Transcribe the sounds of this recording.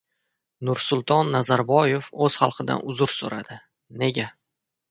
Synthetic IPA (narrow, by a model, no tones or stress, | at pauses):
nʊɾsʊlˠt̪ʰɒnːazaɾbɒjefɵz̥χɑlˠqʰɨd̪a̰nʊzʊɾso̰ɾad̪ɪ | ne̞ɡʲa